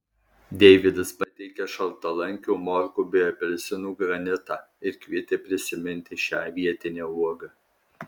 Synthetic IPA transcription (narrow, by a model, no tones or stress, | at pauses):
d̪ʲɛɪʋʲɪd̪ɐspɐt̪ʲɛɪkʲɛʃɐlˠt̪ɐlˠɐŋʲkʲuːmɔɾkuːbʲɪɔpʲɛlʲsʲɪnuːɡɾɐnʲɪt̪ɑɪɾkʲʋʲiɛt̪ʲeːpʲɾʲɪsʲɪmʲɪnʲt̪ʲɪʃʲæːʋʲiɛt̪ʲɪnʲeːuɔɡɐ